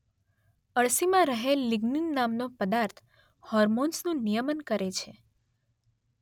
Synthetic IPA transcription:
əɭsimãɾəɦelːiɡninːamnopəd̪aɾt̪ʰ | hɔɾmonsnũnijəmənkəɾet͡ʃʰe

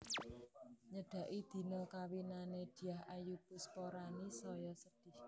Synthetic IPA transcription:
ɲəɖ̥a̤ʔid̪̥i̤nəkawinaned̪̥i̤jahʔajub̥ʊ̤spoɾanisɔjɔsəɖ̥ɪh

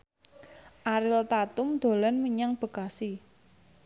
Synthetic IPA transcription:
ʔaɾɪlt̪at̪ʊmd̪̥o̤lanməɲaŋb̥ə̤kasi

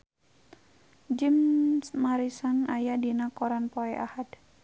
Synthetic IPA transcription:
d͡ʒɪmsmaɾisanajadinakɔɾanpɔɛʔa̰had

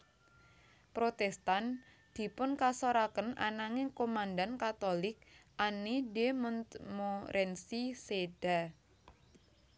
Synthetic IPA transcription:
pɾot̪ɛst̪an | d̪̥i̤pʊnkasoɾakəna̰naŋɪŋkomandankat̪olɪk̚ʔanidemɔnmoɾʔɛnsiseɖ̥a

